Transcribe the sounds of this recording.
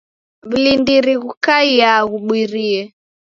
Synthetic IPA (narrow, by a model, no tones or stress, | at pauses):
βilindiɾiɣukaiaɣuɓwiɾiɛ